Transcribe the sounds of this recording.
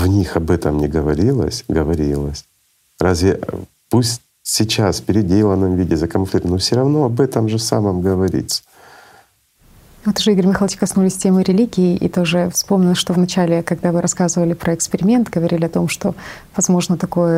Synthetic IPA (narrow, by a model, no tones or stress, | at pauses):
vnʲixɐbɛt̪əmnʲɪɡəvɐɾʲilˠə̰sʲɡəvɐɾʲilˠəsʲ | ɾʔazʲvʲɪ | pusʲtʲ | sʲɪt͡ɕasfpʲɪɾʲɪdʲelˠənːɨmvʲidʲɪzɐkɐnflʲikt̪nofsʲoɾɐvno̞ɐbɛt̪əmʐɨsaməmɡəvɐɾʲḭt̪sə̥ | vot̪ʊʐɨiɡəɾʲmʲɪxalˠt͡ɕɪ̥kɐsnulʲɪsʲtʲemɨɾʲɪlʲiɡʲɪːʔḭt̪o̞ʐɨfspo̞mnʲɪlˠʂt̪o̞vnɐt͡ɕælʲɪkɐɡd̪avɨɾɐskazɨvəlʲɪpɾəɪkspʲɪɾʲɪmʲe̞nt̪ɡəvɐɾʲilʲɪɐt̪o̞mʂt̪o̞ | vɐzmo̞ʐnət̪ɐko̞jə